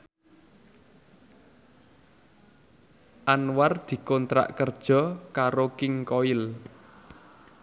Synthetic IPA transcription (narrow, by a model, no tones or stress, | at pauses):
ʔanward̪̥i̤kɔnt̪ɾa̰ʔkərd̥ʒ̥ɔ̤kaɾokɪŋkɔɪl